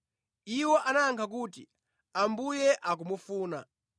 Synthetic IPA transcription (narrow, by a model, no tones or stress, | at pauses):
iwɔʔanaŋkʰak̬uːtḭ | ambujɛʔak̬umufuːna